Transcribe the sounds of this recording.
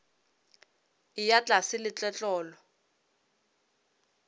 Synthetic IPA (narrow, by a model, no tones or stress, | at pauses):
ijat͡ɬʼasɪlɪt͡ɬɛt͡ɬʼɔːlɔ